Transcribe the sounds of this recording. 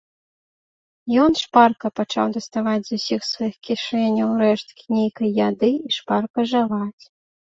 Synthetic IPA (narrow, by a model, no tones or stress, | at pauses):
jɔnʂparkɐpat͡ʂa̰wd̪ɐst̪avad͡zʲzusʲixsvajixkʲiʂɛnʲɐwɾɛʂt̪kʲnʲejkɐjːad̪ɨiʂparkɐʐɨvat͡sʲ